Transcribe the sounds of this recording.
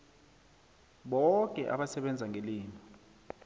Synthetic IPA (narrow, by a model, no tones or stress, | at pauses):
ɓɔkʼɛ̰ʔa̰ɓasɛɓɛnd͡zʱaŋʱeliːnɔ